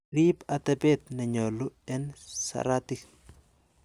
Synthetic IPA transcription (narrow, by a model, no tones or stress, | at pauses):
ɾipat̪ɛbɛt̪nɛɲɔlʊɛnsa̰ɾat̪ik